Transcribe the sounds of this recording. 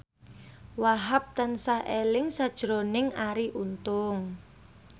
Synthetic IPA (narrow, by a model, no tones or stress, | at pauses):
waɦap̚t̪ansahʔelɪŋsad̥ʒ̥ɾonɪŋaɾiʔunt̪ʊŋ